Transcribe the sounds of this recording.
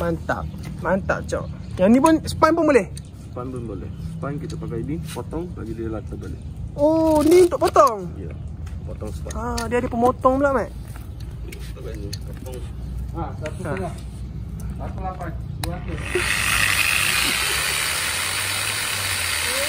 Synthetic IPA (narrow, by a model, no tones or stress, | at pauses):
mant̪a̰ʔ̚mant̪a̰ʔt͡ʃɔ̰ʔ | janĩpʊnsə̥panpʊnbolɛh | səpanpʊnbolɛ̰hsəpankit̪apakajnipɔt̪ɔŋbaɡidiəlat̪abolɛ̰oniunt̪ʊʔpot̪ɔŋjə̰pɔt̪ɔŋsə̥t̪a̰adiadəpəmot̪ɔŋməlaʔmaʔ | t̪aɡanipot̪ɔŋaat̪uala | at̪ulapanat̪u